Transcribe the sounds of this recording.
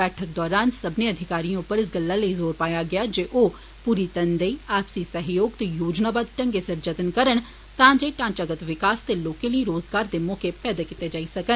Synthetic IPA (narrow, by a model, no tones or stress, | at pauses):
bɛːʈʰək̚d̪ɔːɾaːnsəbneəd̪ʱɪkaːɾiãʊpəɾɪs̬ɡəlːaləizoːɾpaːjaɡɐjaːd͡ʒeːʔoː | puːɾit̪ənd̪əiɛːpsisəɦjoːɡt̪ejoːd͡ʒnaːbaːd̪̚ʈɐ̃ŋɡesɐɾd͡ʒət̪ənkəɾəɳ | t̪ãːd͡ʒeːʈãːt͡ʃaɡət̪ʋɪkaːst̪eloːkẽləiɾoːzɡaːɾd̪emɔːkepɛːd̪ekɪt̪ed͡ʒaːisɐkə